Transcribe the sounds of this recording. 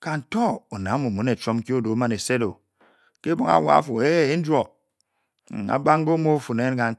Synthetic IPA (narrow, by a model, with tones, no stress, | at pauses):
ka˨n̩˨tɔ˦o˨na˨˦mo˨mu˨ne˨t͡ʃo˦m˦ki˦o˦do˨˦ma˦ne˨se˦do˨ | ke˦bo˦ŋa̰˨˦˨wa̰˨˦fo˨e˦n̩˦d͡ʒʷo˨ | a̰˨ba˦ŋ˦ɡo˦mo˦fu˨ne˨˦nka˨